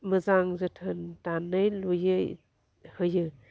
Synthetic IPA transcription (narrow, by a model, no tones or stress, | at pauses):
mɯzaŋzɯtʰɯntanɯjlujɯj | hɯjɯ